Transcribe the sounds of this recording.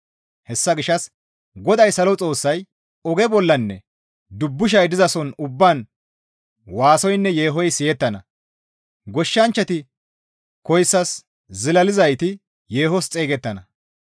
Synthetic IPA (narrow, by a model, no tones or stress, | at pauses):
hɛsːɐɡɪʃːɐs | ɡɔd̪ɐjsɐlɔt͡sʼo̞ːsːɐj | ɔɡɛbɔlːɐnːɛ̰ | d̪ʊbːʊʃ̬ɐjd̪ɪzɐsɔnʊbːaːn | waːsɔjnːɛje̞ːɦɔjsɪjɛt̪ːɐnɐ | ɡɔʃːɐnt͡ʃːɐt̪ɪ | kɔjsːɐs | zɪlɐlɪzɐjt̪ɪ | je̞ːhɔst͡sʼe̞ːɡɛt̪ːɐnɐ